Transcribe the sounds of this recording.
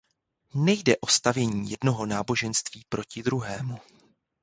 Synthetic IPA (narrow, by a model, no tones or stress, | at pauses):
nɛjdɛʔo̞st̪avjɛɲiːjɛdno̞ɦo̞naːbo̞ʒɛnst̪viːpɾʔo̞cɪd̪ɾuɦɛːmu